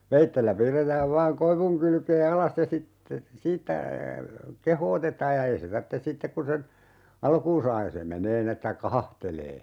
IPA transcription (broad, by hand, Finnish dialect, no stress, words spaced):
ʋeitːelːæ piːrːetæːʋ ʋɑːŋ koiʋuŋ kylkeː ɑlɑs jɑ sitːe siːtːæ kehoːtetɑːj jɑ ei se tɑrtːe sitːek kun sen ɑlkuːn sɑː jɑ se meneː nin etːæ kɑhɑhteleː